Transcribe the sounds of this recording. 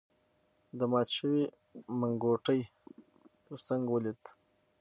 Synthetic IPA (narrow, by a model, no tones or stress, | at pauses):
d̪əmɑt̪ʃəwi | maŋɡoʈəj | əsaŋɡwəlit̪